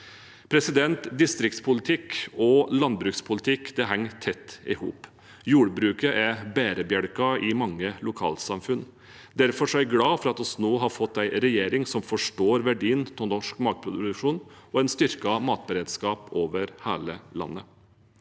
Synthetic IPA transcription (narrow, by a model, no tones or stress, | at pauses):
pʰɾɛsɪd̪ɛnt̪d̪ɪst̪ɾɪkt̪spʰʊlɪt̪ʰɪkɔlɑnbɾʉːkspʰʊlɪt̪ʰɪkd̪̥ɛɦɛŋːt̪ʰɛt̪ːɪ̰hṵːp | juːɽbɾʉːkəʔɛbeːɾəbjœɽkɑɪmɑŋːəlʊkʰɑ̰ːlsɑmfʉn | d̪æɾfɔʂɔæɪɡlɑːfɔɾɑt̪ɔsnoːɦɑɾfɔt̪ːæɪɾɛjeːɾɪŋsɔmfɔʂʈoːɾʋæɖiːənt̪ʰɔnɔʂkmɑːɡ̪̚pʰɾʊd̪d̪ʉʂuːnɔæɪnst̪ʏɾkɑmɑːt̪̚bəɾeːd̪skɑːpoːʋəɾhæ̰ːləlɑ̰nːə